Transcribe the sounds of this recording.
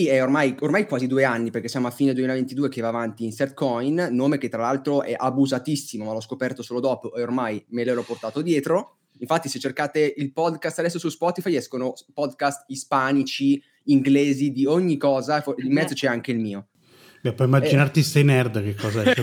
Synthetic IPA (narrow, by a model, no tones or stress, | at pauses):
siɛormajormajkwaːzid̪uːeanːiperkesːjaːmoafːiːned̪wemilavent̪id̪uːek̟evaːvant̪iːnsɛt̪̚kɔjnːoːmeket̪ːɾalalt̪ɾoʔɛ̰ʔabuzat̪isːimomalɔskopɛrt̪osoːlod̪ɔːpoʔeormajmeleɾɔpːort̪aːt̪od̪jɛːt̪ɾo | iɱfat̪ːiset͡ʃːerkaːt̪eilpɔd̪kast̪ad̪ɛsːosuspɔt̪ifajɛskonopɔd̪kast̪ispaːnit͡ʃiː | ŋɡleːzid̪ioɲːikɔːzafoimːɛd̪zot͡ʃɛaŋk̟eilmiːo | bɛpːwɔimːad͡ʒinart̪isɛjnɛrd̪kekːɔzaɛ